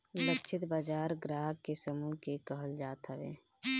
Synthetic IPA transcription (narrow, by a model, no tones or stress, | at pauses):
ləkt͡ʃʰɪt̪baːd͡ʒaːɾɡɾaːɦkesəmukekəɦəld͡ʒaːt̪ɦəʋḛː